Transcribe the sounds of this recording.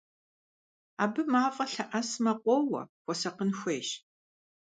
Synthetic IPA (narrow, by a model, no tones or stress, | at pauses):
a̰ːbɨmaːfʼɐɬɐʔɐsmɐqʷɔwɐ̰xʷɔsɐqənxʷeːʃ